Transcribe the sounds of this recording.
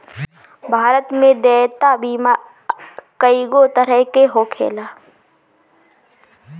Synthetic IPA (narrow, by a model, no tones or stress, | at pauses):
bʱaːɾət̪mẽd̪ɛːt̪abiːma | kəiɡot̪əɾəɦkeɦokʰḛːlaː